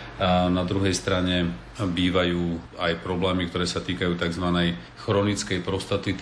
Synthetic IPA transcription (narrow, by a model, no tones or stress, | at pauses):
nad̪ɾuɦɛjst̪ɾaɲɛ | biːʋajuːajpɾɔblɛːmikt̪ɔɾɛːsat̪iːkajuːt̪aɡzʋanɛj | xɾɔnit͡skɛjpɾɔst̪at̪i